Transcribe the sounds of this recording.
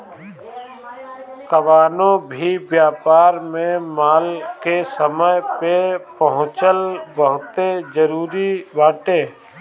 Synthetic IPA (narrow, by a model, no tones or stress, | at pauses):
kəʋaːnõbʱibjaːpaːɾmẽmaːlkesəməjpepəɦʊ̃t͡ʃəlbəɦʊt̪ed͡ʒəɾuːɾibaːʈeː